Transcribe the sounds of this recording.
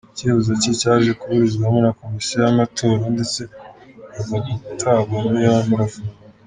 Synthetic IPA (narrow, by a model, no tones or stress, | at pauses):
ceβuzacicaːʒekuβuɾizɡwamonako̞misiajamatʰo̞ːɾande̞t͡se̞avauutʰaɡamijaamuɾafu